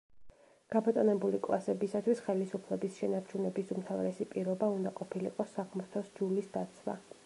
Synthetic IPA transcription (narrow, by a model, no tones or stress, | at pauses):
ɡ̥abɔt̪ʼɔnɛbulikʼlˠasɛbisat̪ʰwisχɛlisupʰlɛbisʃɛnaɾt͡ʃʰunɛbisumt̪ʰavɾɛsipʼiɾɔbaund̪aqʼɔpʰilḭqʼɔsːaʁmuɾt̪ʰɔsd͡ʒulisd̪at̪sʰwa̰